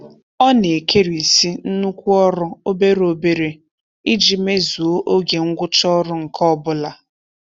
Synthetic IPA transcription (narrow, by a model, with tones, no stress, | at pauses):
ɔ˦ne˨ke˦ɾi˨si˦n̩˦nu˦kʷu˦ɔ˦ɾʊ˦o˦be˦ɾo˦be˦ɾe˨ | i˦d͡ʒi˨me˦zu˨o˦ʔo˦ɡe˨ŋ̩˦ɡʷʊ˦t͡ʃɔ˦ɾʊ˦ŋ̩˨kʰɔ˦bʊ˦la˨